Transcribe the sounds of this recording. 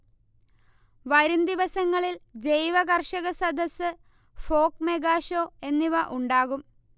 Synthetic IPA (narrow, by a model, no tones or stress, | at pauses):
ʋɐɾund̪iʋɐsɐŋːɐɭild͡ʑe̞jʋɐɣɐrʂɐɣɐsɐd̪ɐsɨ | fo̞ːkmeɡaːʂoːe̞nːiʋɐʔuɳɖaːɣum